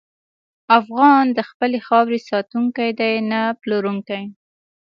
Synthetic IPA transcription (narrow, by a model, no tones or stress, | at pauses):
afɣɑnd̪əxpəlexɑwɾesɑt̪uŋkajd̪ajnaploɾuŋkaj